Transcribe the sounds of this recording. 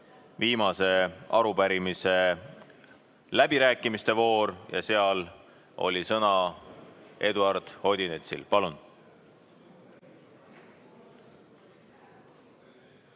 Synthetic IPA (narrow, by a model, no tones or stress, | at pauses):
viːmɑse̞ɑɾupæɾimise̞ | læbiɾæːkːˑimist̪e̞vo̞ːɾjɑ̰se̞ɑl | o̞̰lʲisɤnɑ | ʔe̞d̪uɑrd̪̥ho̞d̪̥ʲinet̪sḭlpɑlun